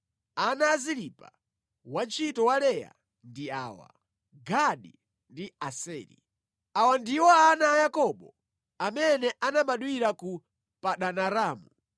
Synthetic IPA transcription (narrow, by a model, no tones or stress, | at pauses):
anaːziɾipa̰ | want͡ʃʰitɔwalɛja̰ | ndia̰ːwa̰ | ɡaɗi | ndiasɛːɾḭ | awandiwɔanaːjakɔɓɔ | amɛnɛʔanambaɗwiɾaku | paɗanaɾaːmu